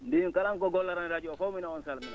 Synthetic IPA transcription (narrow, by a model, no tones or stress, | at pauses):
ndiŋkalaŋkɔɡɔlːaɾanɾad͡ʒiwɔfowminaɔnsalmin